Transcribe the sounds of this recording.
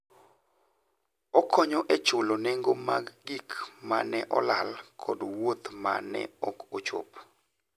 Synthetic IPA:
ɔkʰɔɲɔʔɛt͡ʃoloneŋɡomaɡːikmanɛʔɔlalkʰɔdwot̪ma̰nɛ̰ɔkot͡ʃo̰p

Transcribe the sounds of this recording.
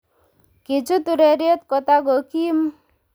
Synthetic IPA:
kit͡ʃʰut̪uɾeɾiɔt̪kɔt̪aɡokim

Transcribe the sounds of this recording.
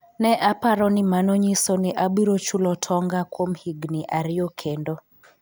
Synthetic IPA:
nɛʔapaɾɔnɪmanɔɲisonɪʔabiɾot͡ʃulɔtʰɔŋɡakwomhiɡniʔaɾɪokʰendo

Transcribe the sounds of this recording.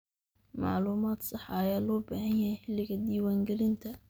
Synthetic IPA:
mɑ̰ʕluːmaːd̪sɑħɑːjaːlɔːbɐːhɐnjɐhɛjħɪlːɪɣɐd̪iːwaːŋɡɛlɪnt̪ʰɐ

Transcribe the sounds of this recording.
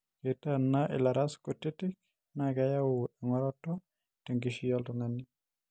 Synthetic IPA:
ketanaʔɪ̰laɾaskotitɪk̚ | nakɛjawuaŋɔɾɔtɔ | tɛŋɡiʃiɔltɔŋani

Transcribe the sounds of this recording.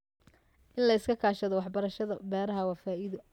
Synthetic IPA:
ʔɪnlɐɪskʰɐkʰaːʃɐðɔwɑħbɐɾɐʃɐðɐbɛːɾɐɦɐwɑːfaːʔɪðɐ

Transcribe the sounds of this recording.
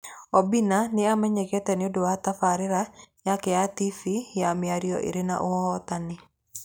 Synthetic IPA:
ɔbinanɪamɛɲɛkɛtɛnɪodowatafaɾɪɾajakɛatifijamɪaɾiɔ̰ʔḭɾena̰ʔohɔhɔtanɪ

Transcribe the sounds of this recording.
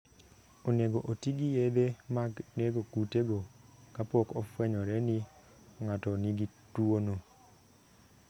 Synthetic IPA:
oneɡoʔotiɡijed̪emaɡneɡokuteɡokapɔkɔfwɛɲɔɾɛni | ŋatɔniɡitwono

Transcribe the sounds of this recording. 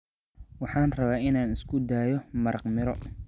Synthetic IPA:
wɑħɑːnrɐβaːɪnaːnɪskʰʊd̪aːjɔmɐɾɑqmɪɾɔ

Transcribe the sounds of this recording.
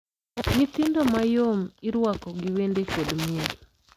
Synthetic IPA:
ɲit̪ɪndomajomɪɾwakɔɡiwendekodmiel

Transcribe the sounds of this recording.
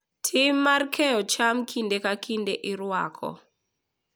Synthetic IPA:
tʰimːarkʰɛɔt͡ʃamkʰindekakʰindɛʔiɾwa̰ːkʰɔ̰

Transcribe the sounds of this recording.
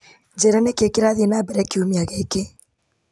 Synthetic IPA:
d͡ʒɛɾanekekeɾaðenabɛɾakiumiaɣɛeke

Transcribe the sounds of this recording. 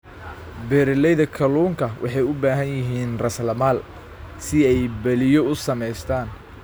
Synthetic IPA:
bɛːɾɪlɛjðɐkʰɐluːŋkʰɐwʔɑ̰ħɑjʊbaːɦɐnjɪɦiːnrɐslɐmaːl | sɪɛjbɐlɪjɔʊsɐmɛjst̪ʰaːn

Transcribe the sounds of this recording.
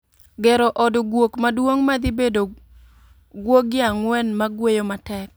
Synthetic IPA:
ɡɛɾɔʔɔdɡwokmadwoŋmad̪ɪbedo | ɡwoɡɪaŋwɛnmaɡwejomatɛk̚

